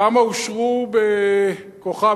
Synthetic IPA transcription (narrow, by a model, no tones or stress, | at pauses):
amauʃʁubekoχa